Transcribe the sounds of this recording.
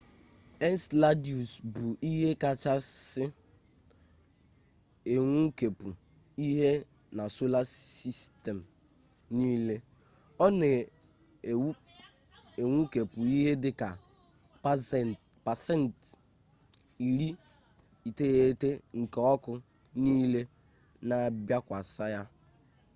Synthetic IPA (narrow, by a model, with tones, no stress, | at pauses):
e˦n˦sla˦di˨u˨sbu˨ʔi˦ɦe˦ka˨t͡ʃa˦sɪ˦ | e˨ŋʷu˦ke˨pu˨ | i˦ɦe˦ | na˨so˦la˦si˦ste˨m̩˨ | ni˦le˦ | ɔ˦ne˨˦ | e˨ŋʷu˦ke˨pu˨i˦ɦe˦dɪ˦ka˨ | pa˨sɛ˦˨n˨t | i˨ɾi˦ | i˨te˦e˦te˦ŋ̩˨kɔ˦kʊ˦ | niː˦le˦ | na˨bja˦kʷa˨sa˦ja˦